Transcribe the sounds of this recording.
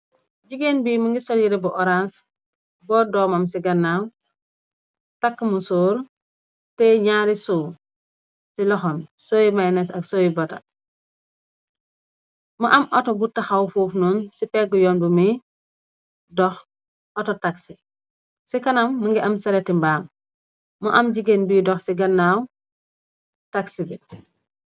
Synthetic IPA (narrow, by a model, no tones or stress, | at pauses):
ɟiɡeːnbiːmuŋɡisolɟiɾebuʔoɾas | bɔːdɔːmamsiɡɐnːaw | takːmusuːɾ | tɛɲaːɾisu | silɔxɔnsoːjimajnesɐksoːjibota̰ | muʔɐmʔɔtobutːɐxawfuːfnunsipɛɡɔjɔːnbumi | dɔx | ʔɔtɔtaksi | sikɐnɐmːuŋɡiʔɐmsɐɾetimbaːm | muʔɐmɟiɡenbiːdɔxsiɡɐnːaːw | taksibi